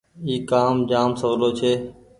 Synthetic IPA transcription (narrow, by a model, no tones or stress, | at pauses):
iːkaːmd͡ʒaːmsəʋloːt͡ʃʰeː